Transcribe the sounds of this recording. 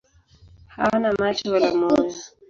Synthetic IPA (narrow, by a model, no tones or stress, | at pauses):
hanamat͡ʃɔlamɔzi